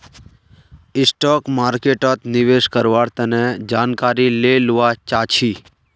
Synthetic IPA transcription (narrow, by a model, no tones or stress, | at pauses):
ɪsʈɔːkmaːɾkeːʈət̪nɪʋeːʃkəɾʋaːɽt̪əned͡ʒaːnkaːɾileluʋat͡ʃaːt͡ʃʰiː